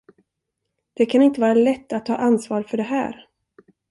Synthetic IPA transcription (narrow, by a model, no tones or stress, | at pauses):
d̪̥ɛkʰanɪnt̪əvɑːɾaalɛt̪ːat̪ʰːɑ̰ːʔansvɑːɾfœɖɛɦæ̰ːɾ